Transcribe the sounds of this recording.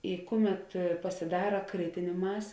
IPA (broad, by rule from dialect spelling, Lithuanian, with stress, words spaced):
ɪ ˈkʊˌmʲɛt pɐsʲɪˈdɑːrɐ ˈkrʲɪtʲɪnʲeː ˈmɑːsʲeː